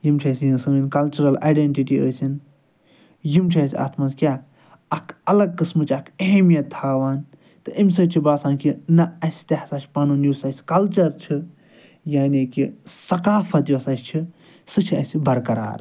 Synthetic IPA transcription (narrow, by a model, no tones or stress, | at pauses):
jimt͡ʃʰɐsʲijisɨmɨnkɐlt͡ʃuɾɐla̰ːjɖeɳʈiʈiəːsʲin | jimt͡ʃʰiɐsʲia̰ːt̪ʰmɐnzkʲjaː | ɐkʰɐlɐɡ̚kɨsmɨt͡ʃʰɐkʰɐɦemijɐt̪ʰːaːʋaːn | t̪ɨʔimʲsɐt͡ʃʰibaːsaːnkinɐɐsʲt̪ehsaːt͡ʃʰpɐnunjuːsɐsʲkɐlt͡ʃɐɾt͡ʃʰi | jaːnikisɐkaːfɐt̪jsaːt͡ʃʲt͡ʃʰi | sɨt͡ʃʰiɐsʲibɐɾkɐɾa̰ːɾ